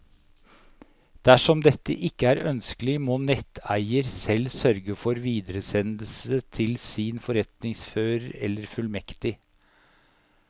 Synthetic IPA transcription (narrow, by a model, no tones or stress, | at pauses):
d̪̥æʂɔmd̪ɛt̪ːə̰ʔɪkːəæːɾœnskəlɪmoːnɛt̪ʰæɪəɾsɛlsœɾɡəfɔɾʋiːd̪əɾəsɛnəl̩sət̪ʰɪlsɪnfɔɾɛt̪nɪŋsføːɾəɾɛlːəɾfʉlmɛkt̪ɪ